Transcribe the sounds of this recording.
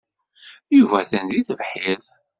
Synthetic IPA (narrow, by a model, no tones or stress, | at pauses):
juvæθənðiθəvħið